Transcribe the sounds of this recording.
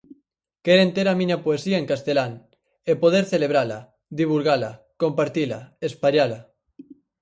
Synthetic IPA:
keɾent̪eɾamĩɲapoesiaeŋkast̪elaŋ | epoð̞eɾθeleβ̞ɾala | ðiβulɣala | kompaɾt̪ila̰espaʎala

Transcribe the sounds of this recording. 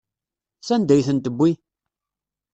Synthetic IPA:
sænd̪æjθənt̪əbʷːi

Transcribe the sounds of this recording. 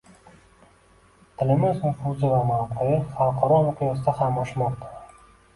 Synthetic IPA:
t̪ʰɪlɪmɪzʊfuzɪvamawqʰojɪχalˠqʰɒɾɒʊqʰɨjɒsɪd̪aχamɒʃmɒqt̪ʰḁ

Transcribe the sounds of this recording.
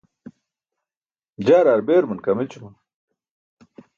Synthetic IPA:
d͡ʑaːɾaːɾbeːɾmɐnkɐmet͡ɕumɐn

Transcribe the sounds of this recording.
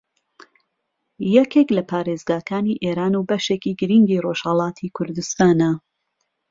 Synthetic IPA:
jɛkeklɐpʰaːɾeːzɡaːkaːniːʔeːɾaːnubɐʃekiːɡɨɾiŋɡiroʒ̥hɐlˠɑːt̪ʰikʰʊɾd̪ust̪aːnɐ

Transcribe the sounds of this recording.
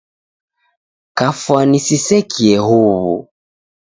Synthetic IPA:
kafwanisisɛkʰiɛhuβṵ

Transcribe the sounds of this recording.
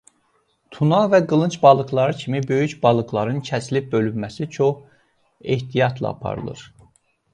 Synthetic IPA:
t̪ʰunɑvæɡɯlˠɯnt͡ʃbɑlˠɯklˠɑɾɯcʰimibø̞jycbɑlˠɯɡlˠɑɾɯncʰæslip̚bø̞lymːæsit͡ʃʰo̞χ | e̞ht̪ʰijɑt̪ʰlˠɑ̰ɑ̰pʰɑ̰ɾɯ̰lˠɯ̰ɾ

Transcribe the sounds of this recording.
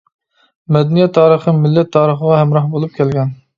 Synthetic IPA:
mɛd̪ɛnijɛt̪ʰːɑːɾəχəmɪlːɛt̪ʰːɑːɾəχəʁɑɦɛmɾɑhbolˠup̚kʲʰɛlɡʲɛn

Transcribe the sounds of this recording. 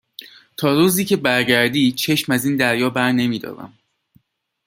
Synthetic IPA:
t̪ʰɒːɾuːziːcʰe̞bæɾɟæɾd̪iːt͡ʃʰe̞ʃmæziːnd̪æɾjɒːbæɾne̞miːd̪ɒ̰ːɾæ̰m

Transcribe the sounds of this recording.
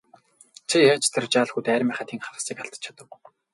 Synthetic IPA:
t͡sʰijat͡ɕʰt̪ʰărt͡ɕaːɮxut̪æːɾʲmæːχaːt̪ʰiːŋχawsiːkaɬt̪ə̥̆t͡ɕʰḁt̪ə̆k

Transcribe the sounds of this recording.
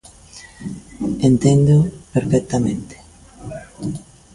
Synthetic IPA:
ent̪end̪opeɾfɛk̚t̪amẽnt̪e̥

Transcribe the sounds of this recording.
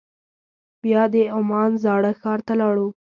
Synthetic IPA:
bjɑd̪əʊmɑnzɑɽəxɑɾt̪alɑɽu

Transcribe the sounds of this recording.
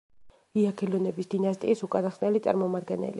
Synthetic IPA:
iakʰɛlɔnɛbisd̪̥inast̪ʼiːsukʼad̪aχsnɛlit̪sʼa̰ɾmɔmad̪ɡɛnɛ̰lḭ

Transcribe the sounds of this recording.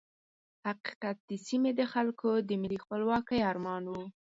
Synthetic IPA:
haqi̥qat̪̚d̪̥əsimed̪əxalkʰod̪əmɪlixpəlwɑkəjɑɾmɑnwu

